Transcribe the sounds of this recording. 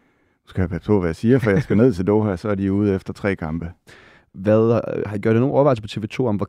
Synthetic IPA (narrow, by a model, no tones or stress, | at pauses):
nusɡ̥æhæpʰæ̥pʰo̰ʋæjɑsiːɐfɒjasɡ̥æne̝ð̞̰ˠt͡sʰe̝ld̥oːhæsɒæɐd̥iuːð̞̩̰ˠefd̥ɐt͡sʰʁɛ̰ːkʰɑ̈mb̥ə | ʋæðˠhɑ̥iɡ̥joɐd̥eno̝ːnɒʋɑ̈ɪlsəpʰɒ̽t͡sʰe̝ːʋe̝ːt͡sʰo̝̰ːɒ̽mʋɒ